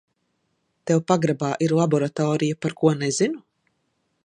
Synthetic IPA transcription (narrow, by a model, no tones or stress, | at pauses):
t̪ɛwpaɡɾabaːʔiɾlˠabɔɾat̪ɔːɾijapaɾkuɔnezinu